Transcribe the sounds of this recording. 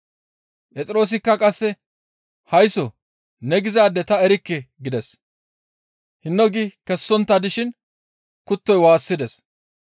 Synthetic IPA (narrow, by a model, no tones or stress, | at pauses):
pʼɛt͡sʼɪɾo̞ːs̬ɪkːɐkʼɐsːɛ | hɐjsɔ | nɛɡɪzaːd̪ːɛt̪ɐɛɾɪkːɛɡɪd̪ɛs | hɪnːɔɡikɛsːɔnt̪ːad̪ɪʃɪn | kʊt̪ːɔjwaːsːɪd̪ɛs